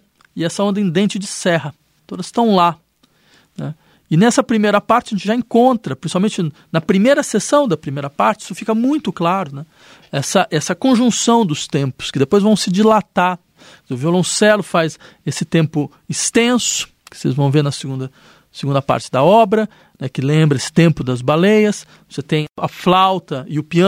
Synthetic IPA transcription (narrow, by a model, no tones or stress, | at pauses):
ɪɛsɐõnd̪ɐẽd̪ẽnt͡ʃɪd͡ʒɪsɛɦɐ | t̪od̪ɐst̪ɐ̃w̃la | nɛ̰ | ɪnɛsɐpɾimejɾɐpaɾt͡ʃɪɐʒẽnt͡ʃɪʒaẽŋkõnt̪ɾɐpɾĩsi̥pawmẽnt͡ʃɪ | nɐpɾimejɾɐsesɐ̃w̃d̪ɐpɾimejɾɐpaɾt͡ʃɪisʊfikɐmũj̃t̪ʊklaɾʊnɛ | ɛsɐʔɛsɐkõʒũsɐ̃w̃d̪ʊst̪ẽmpʊ̥skɪd̪epojzvɐ̃w̃sɪd͡ʒilat̪aɾ | kezeɾʊviolõsɛlʊfajz | esɪt̪ẽmpʊ | ist̪ẽsʊ̥ | kɪ̥sḛzvɐ̃w̃veɾnɐseɡũnd̪ɐ | seɡũnd̪ɐpa̰ɾt͡ʃɪd̪ɐɔbɾɐ | nɛkɪlẽmbɾɐesɪ̥t̪ẽmpʊd̪ɐzbalejɐs | voset̪ẽj̃ɐ̰flawt̪ɐɪʊpiɐ